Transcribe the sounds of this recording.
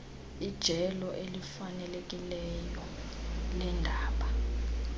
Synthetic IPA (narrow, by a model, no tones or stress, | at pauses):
id̥ʒ̥ʱɛlɔʔelifanɛlek̬ʼilɛjɔlɛndʱaːɓa